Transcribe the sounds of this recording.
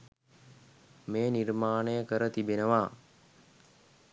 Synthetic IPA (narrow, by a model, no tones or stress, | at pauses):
meːnirmaːnəjəkəɾət̪ibenəʋaː